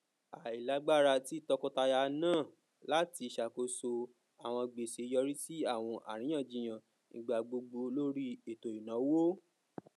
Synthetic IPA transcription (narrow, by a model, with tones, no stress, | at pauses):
a˨i˨la˨˦ɡ͡ba˦˨ɾa˧ti˦tɔ˧kɔ̃˦ta˧ja˧nãː˦˨ | la˦ti˧ʃa˨ko˧so˧ | a˨w̃ɔ̃˧ɡ͡be˨se˨˧˦jɔ˧ɾi˦ti˦a˦˨w̃ɔ̃˧ʔa̰˨ɾ̃ĩ˨˦j̃ã˦˨d͡ʒĩ˨j̃ã˨ | nĩ˨˧ɡ͡ba˨˧ɡ͡bo˧ɡ͡bo˧lo˦ɾi˦e˨to˨i˨nã˨˦wo˦